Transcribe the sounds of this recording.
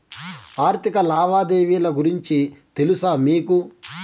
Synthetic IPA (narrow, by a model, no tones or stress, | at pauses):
aːɾt̪ʰikɐlaːʋaːd̪eːʋiːlɐɡuɾiɲt͡ʃit̪e̞lusaːmiːku